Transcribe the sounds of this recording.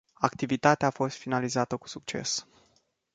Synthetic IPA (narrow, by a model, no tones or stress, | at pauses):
akt̪ivit̪at̪eaːfo̞st̪finalizat̪əku̥suk̚t͡ʃe̞̰s